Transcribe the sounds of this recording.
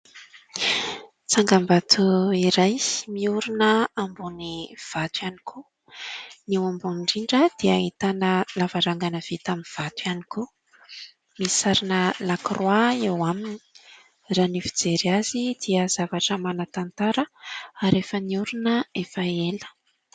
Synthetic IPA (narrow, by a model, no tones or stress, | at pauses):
t͡saŋɡambat̪ʰuiɾajmiuɾunəambuniv̥at̪wjani̥kʰu | newambuniɳɖ͡ʐiɳɖ͡ʐəd̪̥iait̪anəlavaɾaŋɡanəv̥it̪aminv̥at̪wianiku | misaɾinəlakroaewamini̥ | ranifid͡zeɾiazid̪̥iəz̥avaʈ͡ʂəmanət̪ant̪aɾəaɾefəniuɾunəefəelə̥